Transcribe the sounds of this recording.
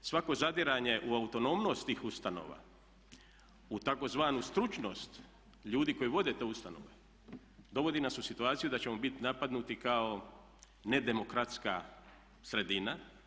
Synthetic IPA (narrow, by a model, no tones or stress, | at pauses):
sʋako̞zad̪iɾaɲe̞ʔuaut̪o̞no̞mno̞st̪iːxust̪ano̰ʋa̰ | ut̪ako̞zʋaːnust̪ɾut͡ʃno̞st̪ | ʎuːd̪iko̞jiʋo̞d̪e̞t̪eːust̪ano̞̰ʋe | d̪o̞ʋo̞d̪inasusit̪uaːt̪sijud̪at͡ɕe̞mo̞bit̪napad̪nut̪ikao̞ | ne̞d̪e̞mo̞kɾat̪ska̰ | sɾe̞d̪ina